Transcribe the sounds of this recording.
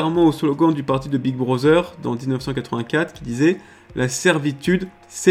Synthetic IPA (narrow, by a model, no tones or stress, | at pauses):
ʁmɑ̃oslɔɡɑ̃d̪ypaʁt̪id̪əbiɡ̚bʁɔzœʁd̪ɑ̰̃d̪iznəfsɑ̃kat̪χəvɛ̃kat̪χkʲid̪izɛ | lʔasɛʁvit̪yd̪ | sɛ